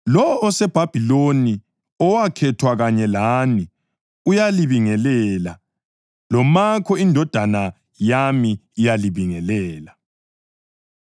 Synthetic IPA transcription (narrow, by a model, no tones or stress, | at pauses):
lɔːsɛb̥ʱab̥ʱiloni | ɔwakʰɛtʰwaɣaɲɛlaːni | ujaliβiŋɛlɛla | lɔmakʰɔindʱɔd̥ʱana | jamiːjaliβiŋɛlɛːla